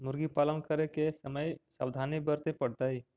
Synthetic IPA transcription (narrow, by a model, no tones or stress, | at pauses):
mʊɾɡipaːlənkəɾekesəməjsa̰wd̪ʱanibəɾt̪epəɽt̪ai